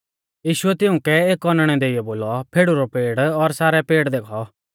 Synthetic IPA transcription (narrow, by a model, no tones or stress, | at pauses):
jiːʃʊɛt̪ɪʊ̃kɛeːkːɔnəɽ̃ɛd̪eːɪjɛboːlɔpʰeːɽuɾɔpeːɽɔɾsaːɾɛpeːɽd̪eːkʰɔ